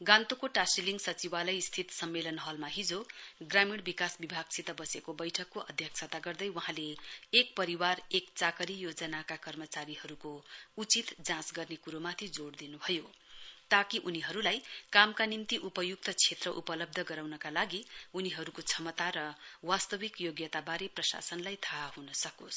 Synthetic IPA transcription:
ɡãnt̪okoʈasiliŋɡsʌt͡sibalʌjst̪ʰit̪sʌmːelʌnɦʌlmaɦid͡zoɡramiɽbikasbibʱaɡt͡sʰit̪ʌbʌsekobʌjʈʰʌkːoʔʌd̪ʱjʌk̚t͡sʰʌt̪aɡʌrd̪ʌjwʌɦãleːk̚pʌɾiwarekt͡sakʌɾijod͡zʌnakakʌrmʌt͡saɾiɦʌɾukout͡sit̪d͡zãsɡʌrnekuɾomat̪ʰid͡zoɽd̪inubʱʌjo | t̪akiʔuniɦʌɾulajkamkanimt̪iʔupʌjuk̚t̪ʌt͡sʰet̪rʌʔupʌlʌb̚d̪ʱʌɡʌɾawnʌkalaɡiuniɦʌɾukot͡sʰʌmʌt̪aɾʌwast̪ʌbikjoɡjʌt̪abaɾeprʌsa̰sʌnlajt̪ʰaɦunʌsʌkos

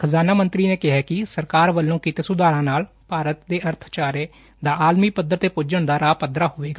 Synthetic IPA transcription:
kʰəzaːnaːmənt̪ɾiːneːkɪɦɛːkɪsəɾkaːɾʋəlːõːkit̪eːsʊd̪aːɾãːnaːl | paːɾət̪d̪eːʔəɾt̪ʰt͡ʃaːɾeː | d̪aːʔaːlmiːpəd̪əɾt̪eːpʊd͡ʒəɳd̪aːɾaːpəd̪ɾaːɦoːʋeːɡaː

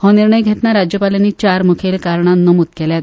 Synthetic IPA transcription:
hõniɾɳəjɡʱet̪naɾad͡ʑjəpaljenːiːt͡ɕaɾmukʰelkaɾɳanːomut̪̚keljat̪

